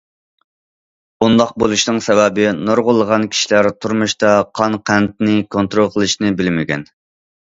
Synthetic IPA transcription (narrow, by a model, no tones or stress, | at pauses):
und̪ɑq̚bolˠuʃnɨŋsɛwɛbɪnoɾʁʊlˠːəʁɑnkʲʰi̥ʃilæɾt̪ʰuɾmuʃt̪ɑqʰɑnqʰænt̪̚nɪkʰont̪ɾolˠqʰəlˠɨʃnɪbɪlmɪɡʲɛ̰n